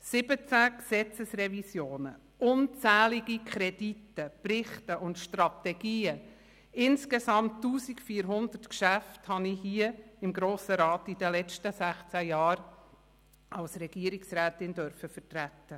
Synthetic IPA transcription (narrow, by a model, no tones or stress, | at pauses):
sɪbət͡sæksɛt͡səsrɛvisjoːnə̰ | ʔʊnt͡sæːliɡikʰχɾɛd̥itːəprɪχtəʔʊntʃtɾɑtɛɡ̥iːə | ɪnskesɑmtːuːsikfiːəɾɦʊnd̥̪ərtkʃæfthɑnihiəɪmɡɾoːsəɾɑːtid̥ɛlɛt͡stəsæχt͡sæjɑːɾ | ɑlsɾɛɡ̥iəɾiksɾæːtɪndœɾfəfərtɾætːə